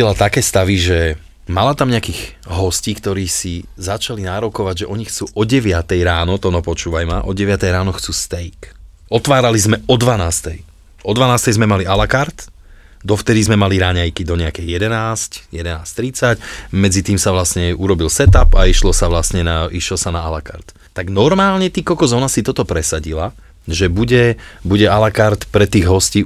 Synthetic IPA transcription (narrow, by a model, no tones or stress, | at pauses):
ɛlat̪akɛːst̪aʋiʒɛ | malat̪amɲɛakiɣɦɔsciːkt̪ɔɾiːsizat͡ʃalinaːɾɔkɔʋaɟʒɛʔɔɲixt͡suːʔɔɟɛʋɪat̪ɛjɾaːnɔt̪ɔnɔpɔt͡ʃuːʋajmaʔɔ̰ɟɛʋɪat̪ɛjɾaːnɔxt͡suːst̪ɛjk | ɔt̪ʋaːɾalizmɛɔd̪ʋanaːst̪ɛj | ʔɔd̪ʋanaːst̪ɛjzmɛmalialakaɾt̪ | d̪ɔft̪ɛd̪izmɛmaliɾaɲajkid̪ɔɲɛakɛjjɛd̪ɛnaːscjɛd̪ɛnaːst̪ɾit͡sacmɛd͡zit̪iːmsaʋlasɲɛuɾɔbilsɛt̪apaiʃlɔsaʋlasɲɛnaiʃlɔsanaalaka̰ɾt̪ | t̪aɡnɔɾmaːlɲɛt̪ikɔkɔzɔːnasit̪ɔt̪ɔpɾɛsaɟila | ʒɛbuɟɛbuɟɛalakaɾt̪pɾɛt̪iːɣɦɔsciː